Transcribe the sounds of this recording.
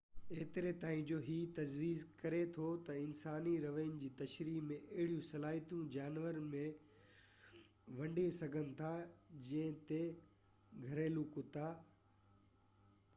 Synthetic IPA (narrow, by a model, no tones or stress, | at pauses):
eːt̪ɪɾet̪aːĩd͡ʑoːɦiːt̪ɐd͡ʑʋiːzkɐɾet̪ʰot̪ɐɪnsaːniɾɐʋə̃ːnd͡ʑiːt̪ɐʃɾiːmẽʔɐɦɪɽijũsɐlaːɦit̪jũd͡ʑaːnʋəɾmẽ | ʋɐ̃ɳɖesɐɡʱənɪ̆t̪ʰad͡ʑɐ̃ɦɪ̃t̪e | ɡʱɐɾeːlukʊt̪aː